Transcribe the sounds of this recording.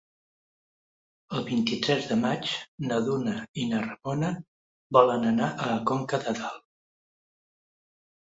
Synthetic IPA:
əlˠβint̪it̪ɾɛzðəmat͡ʃnəðunəinərəmonə | βɔlənənaʔələkoŋkəðəðalˠ

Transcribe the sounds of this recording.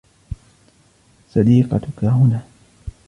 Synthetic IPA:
sɑd̪iːqɑt̪ʊkahʊnaː

